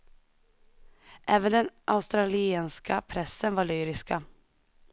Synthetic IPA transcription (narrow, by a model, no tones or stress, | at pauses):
ʔɛːvənd̪ɛnʔaʊst̪ɾalɪeːnskapʰɾɛsːənvaɭyːɾɪska